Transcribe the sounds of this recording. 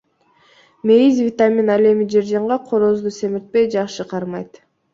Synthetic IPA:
me̞izvʲit̪amʲinɑle̞mid͡ʒeɾd͡ʒɑɴʁɑqʰoɾozd̪use̞miɾt̪̚pe̞jd͡ʒɑqʃɯqʰɑɾmɑjt̪

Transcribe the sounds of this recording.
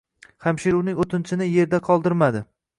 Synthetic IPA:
hamʃiɾuwnɪŋot̪ʰɪnt͡ʃʰɪnɪje̞ɾd̪aqʰɒlˠd̪ɪɾmad̪ɪ

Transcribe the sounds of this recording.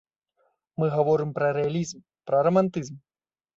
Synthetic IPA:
mɨɣavɔɾɨmpɾɐɾɛalʲizm | pɾɐrɐmant̪ɨzm

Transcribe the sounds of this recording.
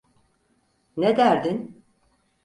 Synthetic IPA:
ned̪æɾd̪in

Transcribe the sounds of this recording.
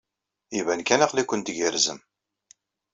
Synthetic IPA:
ivænkænaqlikʷːənt̪əɡəɾzə̰m

